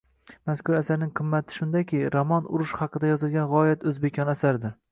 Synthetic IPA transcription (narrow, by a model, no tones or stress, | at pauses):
maskʰʊɾasaɾnɪŋqʰɨmːat̪ʰɪ̥ʃʊnd̪akʲʰɪɾɒmɒnʊ̰ɾʊʃhɑqʰɨd̪ajɒzɨlˠɡʲanʁɒjat̪ʰɵzbekʲʰɒnasaɾd̪ɪɾ